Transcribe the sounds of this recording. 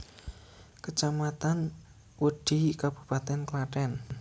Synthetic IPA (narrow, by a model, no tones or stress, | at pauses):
kət͡ʃamat̪an | wəɖ̪̥i̤kab̥u̥̤pat̪ɛnklaʈɛn